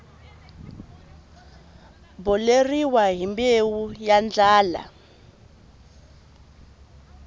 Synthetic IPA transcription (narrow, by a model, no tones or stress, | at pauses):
bɔleriwaɦimbewujand͡ɮaːla̰